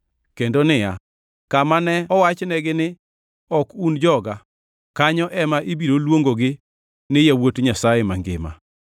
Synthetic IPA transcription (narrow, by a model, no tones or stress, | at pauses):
kendonɪja̰ | kamanɛɔwat͡ʃnɛɡɪnɪ | ɔkund͡ʒɔɡa | kaɲɔʔɛmaʔibiɾolwoŋɡoɡɪ | nɪjawotɲasajɛmaŋɡɪ̰ma̰